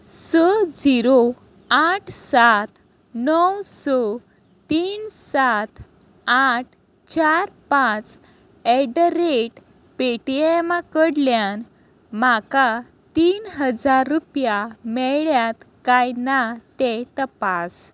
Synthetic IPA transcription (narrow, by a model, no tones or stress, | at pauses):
sɔd͡ziɾo | aʈʰsat̪ | nəwsɔ | t̪iːnsat̪ʰ | aʈʰ | t͡ɕaɾpãt͡s | ɛɖəɾeʈ | peʈiemakəɽljan | maka | t̪iːnɦəd͡zaɾːupjamɛɭjat̪kajnat̪ɛt̪əpas